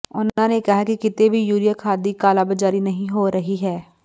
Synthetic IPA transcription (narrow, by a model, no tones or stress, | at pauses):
ʊnãːnekɪɦaːkikɪt̪eːbʱiːjuːɾijakʰaːd̪iːkaːlaːbəd͡ʒaːɾiːnəɦĩːɦoːɾəɦiːɦɛː